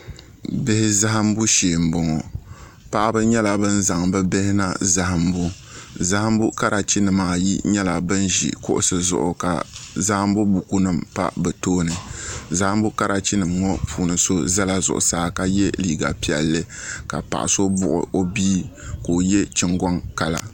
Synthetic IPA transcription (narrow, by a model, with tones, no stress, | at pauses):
be˦hɪ˦za˦ɦa˦m˦bu˦ʃeː˨m̩˨bɔ˨ŋɔ˨ | pa˦ʔa˦bɨ˦ɲɛ˦la˨bɨ˦nza˨ŋbɛ˦be˦hɪ˦na˦za˦ha˦m˦bu˦ | za˦ha˦mbu˦ka˦ɾʔa˨t͡ʃi˦nɨ˨maː˨jḭ˦ɲɛ˦la˨bɨ˦nʒḭ˨kʊ̰˦ʔʊ̰˦sɨ˨zʊ̰˨ʔʊ̰˨ka̰˨za˦ha˦m˦bu˦bu˨ku˦nɨ˦mpa̰˦bɛ˨toː˦nɨ˨za˦ha˦mbu˦ka˦ɾʔa˨t͡ʃi˦nɨ˨mŋɔ˦pʰuː˨nɨ˨so˦za˦la˦zʊ̰˨ʔʊ̰˨saː˦ka˦jɛ˦liː˨ɡa̰˨pi˦ɛ˨lːɨ˦ka̰˨pa̰˨ʔa̰˨so˦bʊ̰˨ʔʊ̰˨ʔo˦biː˦ko˨jɛ˦t͡ʃɪ˦ŋɡɔ˦ŋka˨la̰˨